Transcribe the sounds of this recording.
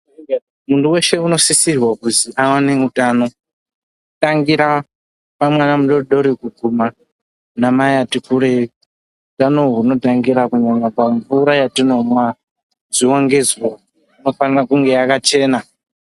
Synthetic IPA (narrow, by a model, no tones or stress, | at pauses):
munduwe̞ʃe̞uno̞sisirwakuziʔawane̞utaːno̞ | utaŋɡiɾa | pamwanamuɗoɗo̞ɾikukuma | namajatikuɾe | utano̞ɦuno̞taŋɡiɾakuɲamapaɱvuɾajatino̞mwa | ziwoŋɡe̞ziwo | ino̞fanirakuŋɡe̞akat͡ʃe̞ːna